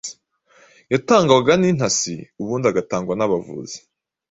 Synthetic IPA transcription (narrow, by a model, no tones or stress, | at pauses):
jataːŋɡawaɡanin̥hasḭuβuːndaɡataːŋɡuɾanaβavṵzi̥